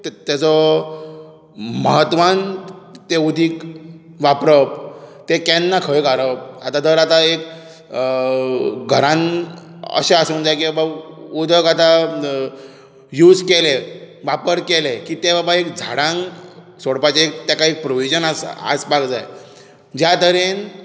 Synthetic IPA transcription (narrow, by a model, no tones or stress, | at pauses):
t̪at͡sɔ | məɦət̪ʋant̪eud̪ʱiːkʋapɾəp̚t̪ekɛ̃nːakʰəjkaɾəp̚at̪ad̪əɾat̪aek̚ | ɡʱəɾãn | ə̰ɕeasund͡zajkiabaud̪əkat̪a | juːd͡zkele | ʋapəɾkelekit̪ebabaekd͡zʱaɽãŋ | soɽpat͡ɕeek̚t̪jakaek̚pɾoʋid͡ʑənasa̰spakd͡zaj | d͡ʑjat̪əɾen